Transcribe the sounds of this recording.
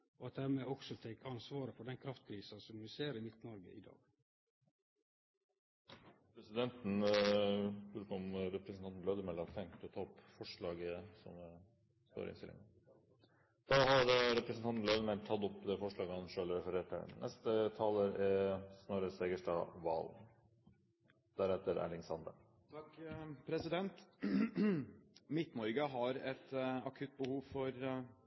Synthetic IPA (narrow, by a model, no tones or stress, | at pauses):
ɔɑt̪̚d̪æɾmɛɔksɔt̪ʰɛkːɑnsʋɑːɾəfɔɖɛnkʰɾɑft̪kʰɾiːsɑsɔmʋɪseːɾəmɪt̪nɔɾɡə̰ʔɪd̪ɑ̰ːɡ̥ | pʰɾɛsɪd̪ɛnt̪n̩ | bɾʉːkɔmɾɛpɾəsnɑnt̪n̩lœd̪əmɛlɑt̪ʰɛŋt̪ɔt̪ʰɑːɔpːfɔʂɭɑːɡəsɔ̰m | st̪o̰ɾɪɪ̰st̪ɪlɪ̰ŋ | d̪̥ɑːhɑɾɾɛpɾɛsnʰɑnt̪n̩lœd̪əmɛlt̪ʰɑt̪ːɔpːd̪ɛfɔʂɭɑːɡəɑnʂøːləɾɛfəɾeːʈʰə̰nʔɛ̰st̪ət̪ʰɑːləɾɛsnoɾəsɛɡəʂʈɑ̰ːʋɑ̰ːl | d̪̥æɾɛt̪ːəɾæ̰lɪŋsɑnd̪ə̰ɾ | t̪ʰkpʰɾɛsɪd̪ɛnt̪ | mɪt̪nɔɾɡəɦɑɾɛt̪ɑkʰʉt̪̚bəhuːʋfɔɾ